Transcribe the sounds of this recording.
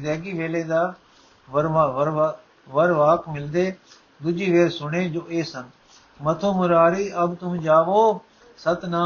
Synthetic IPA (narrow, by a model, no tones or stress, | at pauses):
d̪ɛːɡiːʋeːleːd̪aː | ʋəɾʋaʋəɾʋ | ʋəɾʋaːkmɪld̪eː | d̪ʊd͡ʒiːʋeːɾsʊɽ̃eːd͡ʒoːʔeːsən | mɐt̪ʰoːmʊɾaːɾiːʔɐbt̪ʊm̃d͡ʒaːʋoː | sɐt̪nãː